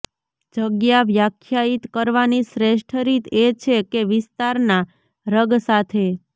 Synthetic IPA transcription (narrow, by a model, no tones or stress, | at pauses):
d͡ʒəɡjaʋjakʰjait̪kəɾʋanisɾeʃʈʰɾit̪ʰet͡ʃʰekeʋɪst̪aɾna | ɾəɡsat̪ʰe